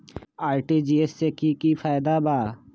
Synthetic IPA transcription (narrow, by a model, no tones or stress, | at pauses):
aːjʈid͡ʒiːesːekiːkiːfʰaːjd̪aːbaː